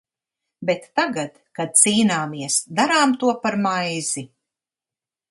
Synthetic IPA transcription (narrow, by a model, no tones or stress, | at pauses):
bet̪ːaɡat̪kad̪̚siːnaːmiɛsd̪aɾaːmt̪uɔpaɾmajz̥i